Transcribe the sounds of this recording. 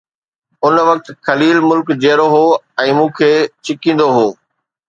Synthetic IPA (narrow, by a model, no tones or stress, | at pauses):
ʊnʋɐk̚t̪kɐliːlmʊlkd͡ʑeːɾoɦoː | ɛ̃ːmũːkʰeːt͡ɕɪkĩːn̆d̪oɦoː